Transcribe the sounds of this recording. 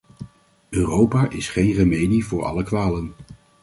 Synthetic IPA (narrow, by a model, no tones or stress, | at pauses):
øːrowpaːʔɪsχejnrəmejdivʊːɹɑ̰ləkʋaːlən